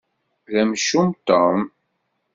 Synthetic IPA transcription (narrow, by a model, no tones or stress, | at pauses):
ðæmʃumt̪om